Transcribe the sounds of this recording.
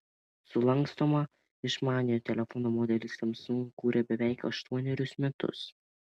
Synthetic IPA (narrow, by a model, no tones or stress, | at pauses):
sʊlˠɐŋkst̪oːmɐ | ɪʃmɑːnʲɪjoːt̪ʲɛlʲɛfɔnoːmoːd̪ʲɛlʲɪsʲt̪ɐmsʊŋkuːɾʲɛbʲɛʋʲɛˑɪkɐ̰ʃt̪uɔnʲɛɾʲʊsmʲɛt̪ʊ̰s